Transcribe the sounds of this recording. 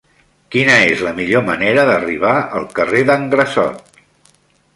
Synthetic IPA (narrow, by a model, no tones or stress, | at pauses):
kinəezləmiʎoməneɾəðəriβ̞aəlˠkəreðəŋɡɾəsɔ̰t̪̚